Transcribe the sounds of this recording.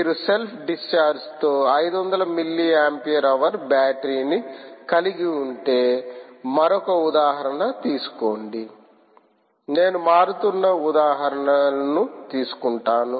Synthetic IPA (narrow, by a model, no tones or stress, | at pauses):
miːɾuse̞lpʰɖist͡ʃaːɾst̪o̞ːɐjd̪uʋɐnd̪ɐlɐmilːiaːmpijɐɾɐʋɐɾbaːʈɾiːnikɐliɡiuɳʈe̞ːmɐɾɔkɐud̪aːɦɐɾɐnɐt̪iːsu̥koːɳɖi | ne̞ːnumaːɾut̪unːɐud̪aːɦɐɾɐɳɐnut̪iːsu̥kuɳʈaːnu